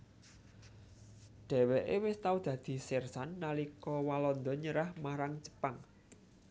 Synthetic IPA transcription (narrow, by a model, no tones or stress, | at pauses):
ɖ̥ɛ̤wɛʔewɪst̪aud̪̥ä̤d̪̥i̤sɪrsanːalikɔwalɔnd̪ɔɲəɾahmaɾaŋt͡ʃə̥paŋ